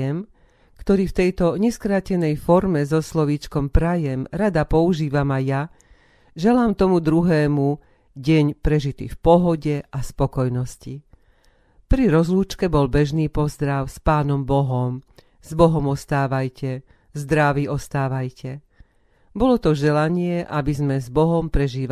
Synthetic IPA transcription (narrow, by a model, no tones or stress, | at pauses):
ɛm | kt̪ɔɾiːft̪ɛjt̪ɔɲɛskɾaːcɛnɛjfɔɾmɛzɔslɔʋiːt͡ʃkɔmpɾajɛmɾad̪apɔuʒiːʋamaja | ʒɛlaːmt̪ɔmud̪ɾuɦɛːmu | ɟɛɲpɾɛʒit̪ḭːfpɔɦɔɟɛʔaspɔkɔjnɔsci | pɾiɾɔzluːt͡ʃkɛbɔlbɛʒniːpɔzd̪ɾaʊspaːnɔmbɔɦɔm | z̥bɔɦɔmɔst̪aːʋajcɛ | zd̪ɾaʋiːʔɔst̪aːʋajcʰɛ | bɔlɔt̪ɔʒɛlaɲɪɛʔabizmɛzbɔɦɔmpɾɛʒiːʋa